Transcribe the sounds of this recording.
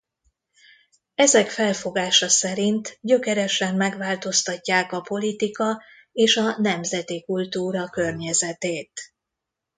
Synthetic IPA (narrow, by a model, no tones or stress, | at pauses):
ɛzɛkfɛlfo̞ɡaːʃɒsɛɾint̪ɟø̞kɛɾɛʃɛmːɛɡʋaːlt̪o̞st̪ɒcːaːkɒpo̞lit̪ikɒ | eːʃɒnɛmzɛt̪ikult̪uːɾɒkø̞rɲɛzɛt̪eːt̪